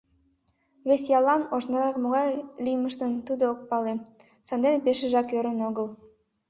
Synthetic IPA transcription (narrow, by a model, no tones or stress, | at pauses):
βesjɑlːɑnoʃnɑɾɑkmoɣɑjlʲijməʃt̪ənt̪ud̪ook̚pɑle | sɑnd̪enpeʃə̆ʒɑkjøɾənoɣəlˠ